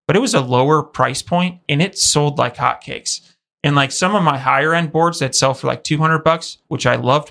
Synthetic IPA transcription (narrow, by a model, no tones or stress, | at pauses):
b̥ʌɾɨt̚wʌzəloʊə˞pʰɹ̥aɪspʰɔ̃ɪ̃nt̚ɨ̃nɨtsoʊlˠdˡla̰ɪkhɑ̰t̚kʰḛɪks | ɨ̃nlaɪksʌ̃mʌvmaɪɦaɪə˞ɛ̃nbɔɹdzðɨtsɛlˠfə˞lʔa̰ɪk̚tʰʉɦʌ̃ndɹəd̚bʌkswɨt͡ʃaɪlʌvd̚